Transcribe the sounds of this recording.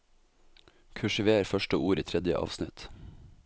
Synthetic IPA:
kʰʉʃɪʋeːɾfœʃʈəuːɾiːt̪ʰɾɛd̪jə̰ʔɑ̰ːʋsnɪt̪

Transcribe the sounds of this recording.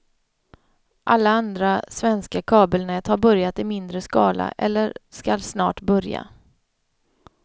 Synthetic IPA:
ʔalːaand̪ɾasvɛnskakʰɑːbəlnɛːt̪haɾbœɾjat̪ɪmɪnd̪ɾəskɑːla̰ʔɛlːəɾskalsnɑ̰ːʈbœɾja̰

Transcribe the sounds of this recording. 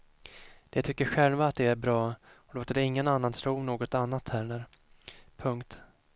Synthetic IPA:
d̪̥ɛt̪ʰʏkːəɾɧɛlvaːt̪̚d̪ɛæɾbɾɑːɔloːt̪əɖɛɪŋːənanːant̪ʰɾuːnoːɡɔt̪anːat̪hæːɾnæɾ | pʰɵŋkt̪

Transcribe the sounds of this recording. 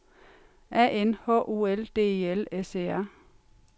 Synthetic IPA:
ʔæːʔenhɔ̰ʔoːeld̥e̝̰ːe̝eleseːæɐ

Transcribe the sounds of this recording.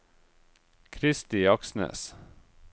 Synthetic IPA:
kʰɾɪst̪ɪɑksnø̰ːs

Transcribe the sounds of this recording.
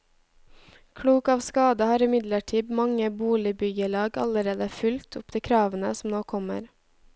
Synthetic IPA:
kʰɽuːkɑːʋskɑːd̪əhɑːɾɪmɪd̪ləʈʰiːbmɑŋəbuːlɪbʏɡəlɑːɡɑ̰ləɾeːd̪əfʉlt̪ʰʊpd̪̥eːkʰɾɑːʋənəsm̩noːkʰɔmə̰ɾ

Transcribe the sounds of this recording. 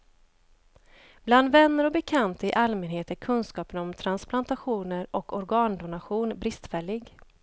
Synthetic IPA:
b̥land̪vɛnːəɾɔbɛkʰant̪əɪʔalmɛnheːt̪æɾkʰɵnskɑːpənɔmt̪ʰɾansplant̪aɧuːnəɾɔkɔɾɡɑːnd̪ʊnaɧuːnbɾɪst̪fɛɭːɪɡ

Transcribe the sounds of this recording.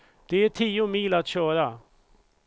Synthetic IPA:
d̪̥ɛæʈʰiːʊmiːlat̪ɕœːɾa

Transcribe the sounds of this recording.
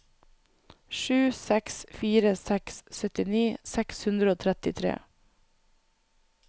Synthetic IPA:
ʃʉːsɛksfiːɾəsɛkssœt̪ɪniːsɛkshʉnd̪ɾəoːt̪ʰɾɛt̪ɪt̪ʰɾḛː

